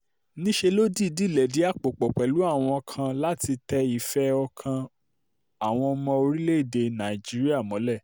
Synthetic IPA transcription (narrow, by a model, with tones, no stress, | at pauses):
nĩ˦ʃe˧lo˦di˦˨di˨˦˨lɛ˨di˨˦a˦˨k͡po˨k͡pɔ˨k͡pɛ˨lu˨˦a˦˨w̃ɔ̃˧ɔ˧kʰã˧la˦ti˧tɛ˧i˨fɛ˦ɔ˧kʰã˧ | a˨w̃ɔ̃˧ɔ˧mɔ̃˧o˧ɾi˦le˦i˦˨de˧nã˨i˨d͡ʒi˦ɾi˦a˦˨mɔ̃˨˦lɛ˦˨